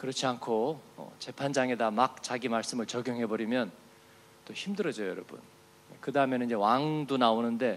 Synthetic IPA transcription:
kɯɾʌt͡ɕʰiankʰoʌ̰t͡ɕe̞pʰand͡ʑaŋe̞damak̚t͡ɕaɡimaɭs͈ɯmɯɭt͡ɕʌɡjoŋɦe̞bʌɾimjʌn | t͈oçimdɯɾʌd͡ʑʌjjʌ̰ɾʌbṵn | kɯdaɯmenid͡ʑe̞waŋdonaonɯnde̞

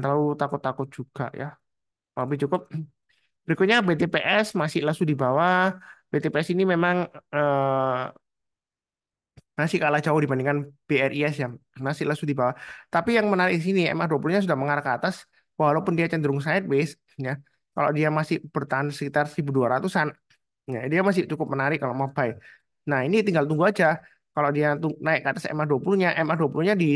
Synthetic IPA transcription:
t̪aut̪akʊt̪ːakʊt̪̚d͡ʒ̥uɡ̥a̰ʔja̰ | abɪd͡ʒukʊp̚ | b̥əɾikʊt̪̚ɲabet̪epeʔɛsmasɪlasudibawab̥et̪epeɛsinimemaŋəː | masɪkalad͡ʒaʊhdibandiŋkanb̥eɛrʔiɛsjamasɪlasudibawat̪apijaŋmənaɾɪk̚isiniɛ̰mɛduapuluɲasudahməŋaɾakəːt̪as | waɦlawpʊndiat͡ʃənd̪əɾʊŋs̬aɪt̪̚bɪs | ja | ka̰lo̰diamasɪhb̥ərt̪aɦansəkit̪arsɾibuduaɾat̪usan | jadiamas̬ɪht͡ʃukʊp̚mənaɾɪkːalomobaj | nahinit̪iŋɡalt̪uŋɡuad͡ʒa | kalodiat̪uŋnaɪkːaat̪asɛ̰mɛsduapuluɲaʔɛmɛduapuluɲadi

